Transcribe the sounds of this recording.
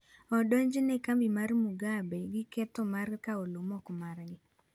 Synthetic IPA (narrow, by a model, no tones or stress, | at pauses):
ɔdɔɲd͡ʒnɛkambimarmuɡabɛɡɪkɛtɔmarkaolomɔkmarɡɪ